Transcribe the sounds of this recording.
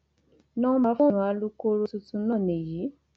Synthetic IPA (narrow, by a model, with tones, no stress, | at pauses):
nɔ̃˦ma˨fɔ̃˦nũ˨˦a˧lu˦ko˦ɾo˧tu˧tũ˧nɔ̃˦˨nẽ˨ji˨˦